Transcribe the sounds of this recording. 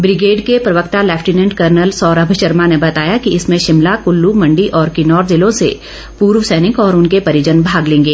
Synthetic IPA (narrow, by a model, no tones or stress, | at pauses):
bɾɪɡeːɖkepɾɐʋəkt̪alɛːpʰʈinə̃ɳɖkəɾnəlsɔːɾəbʱəʃəɾmanebɐt̪aːjakiɪsmẽʃɪmlakʊlːumɐ̃ɳɖiʔɔːɾkinɔːɾzɪlõsḛ | puːɾʋəsɛːnɪkɔːɾʊnkepɐɾɪd͡ʒənbʱaːɡlẽːŋɡeː